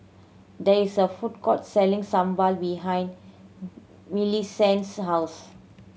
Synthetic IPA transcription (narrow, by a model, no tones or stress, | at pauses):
dɛisəfut̚kɔtsɛlĩŋsãmbalbiɦãj̃n | milisɛ̃nsɦaws